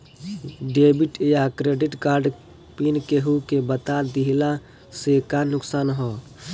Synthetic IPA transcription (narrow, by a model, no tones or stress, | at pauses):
ɖebiʈejakɾeɖiʈkaɾɖ | pinkeɦukebət̪ad̪iɦla | sekanʊksaːnɦɔ